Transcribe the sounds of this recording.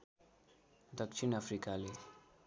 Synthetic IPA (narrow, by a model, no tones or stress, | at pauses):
d̪ʌkt͡ʃʰinapʰɾikale